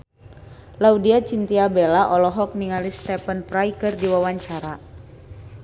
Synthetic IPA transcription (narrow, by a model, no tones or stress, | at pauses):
laudiat͡ʃint̪iabɛlaʔɔlɔɦɔk̚niŋalist̪ɛpənpɾajkɨrdiwawaɲt͡ʃaɾa